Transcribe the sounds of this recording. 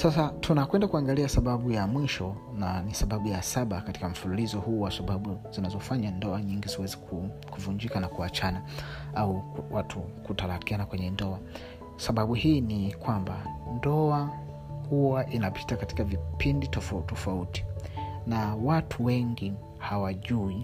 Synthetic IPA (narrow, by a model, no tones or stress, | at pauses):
sasatʰunakwɛndakuaŋɡaliasaɓaɓujamwiʃɔnanisaɓaɓujasaɓakati̥kam̩fululizɔhuːwasaɓaɓuz̥inazɔfaɲandɔaɲiŋɡiziwɛzikʰu | kuvuɲd͡ʒikanakuat͡ʃanaauwatʰukutalakianakwɛɲɛndɔa | saɓaɓuhiːnikwamba̰ndɔa | huwaʔinapʰi̥takati̥kavipinditɔftɔfauti̥nawatʰuwɛŋɡi | hawaʄui